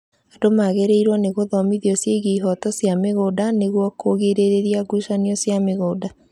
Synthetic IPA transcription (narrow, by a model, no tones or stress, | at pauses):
adomaɣeɾeiɾwaneɣoðɔmiðiɔsjeɣeiɦɔtɔsjameɣoːdaneɣwɔkʰoɣeɾeɾeɾiaɡuʃaniɔsjameɣoːda